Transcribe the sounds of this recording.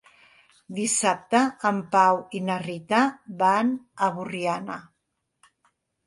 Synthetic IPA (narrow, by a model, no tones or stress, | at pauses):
d̪isap̚t̪əːmpawinarit̪abanəβuriana